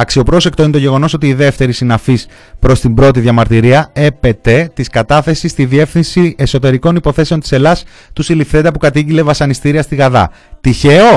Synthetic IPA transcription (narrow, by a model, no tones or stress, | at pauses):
ɐksio̞pɾo̞se̞kt̪o̞inet̪o̞ʝe̞ɣo̞no̞s̬o̞t̪iːðe̞ft̪e̞ɾisinɐfis | pɾo̞st̪imbɾo̞t̪̬iðʝɐmɐɾt̪iɾiɐe̞pe̞t̪e̞t̪iskɐt̪ɐθe̞sist̪iðie̞fθinsieso̞t̪e̞ɾiko̞nipo̞θe̞se̞ont̪ise̞lɐs | t̪usilifθe̞neɐpukɐt̪̬iʝile̞vɐsɐnist̪iɾiɐst̪iɣɐðɐ̰ | t̪içe̞o̞